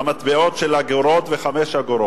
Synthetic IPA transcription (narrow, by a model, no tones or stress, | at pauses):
amat̪beot̪ʃelhaɡoɾot̪veχamɛʃhaɡoɾo